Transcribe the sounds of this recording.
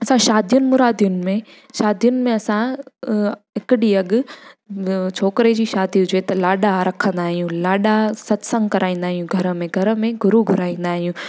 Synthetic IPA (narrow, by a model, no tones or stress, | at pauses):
ɐsãʃaːd̪ʱijʊnɪ̆mʊɾaːd̪ijʊnɪ̆mẽ | ʃaːd̪ijʊnɪ̆mẽɐsã | ɦɪkɪɗiɐɠʊ̆ | t͡ɕʰoːkɪɾed͡ʑiːʃaːd̪iɦʊd͡ʑeːt̪ɐlaːɗaɾɐkʰə̃nd̪aːɦijũlaːɗasɐt̪sə̃ŋɡkɐɾʔaːĩːn̆d̪aːɦijũɡʱɐɾə̆mẽɡʱɐɾə̆mẽɡʱʊɾuɡʱʊɾaːĩːn̆d̪aːɦijũ